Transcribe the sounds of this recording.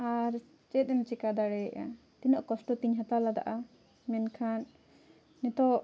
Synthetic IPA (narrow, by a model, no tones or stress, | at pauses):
aɾ | t͡ʃɛt̪̚ɛmt͡ʃikad̪aɽɛʔa̰ | t̪inɔʔkɔsʈɔt̪iɲɦat̪alad̪a̰ʔa | mɛnkʰanː | ɛt̪ɔʔ